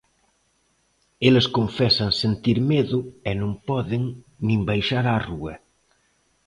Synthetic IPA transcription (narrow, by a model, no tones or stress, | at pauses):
eleskoɱfɛsansent̪iɾmeðʊenõmpɔðeŋ | nĩmbajʃaɾaruɐ̰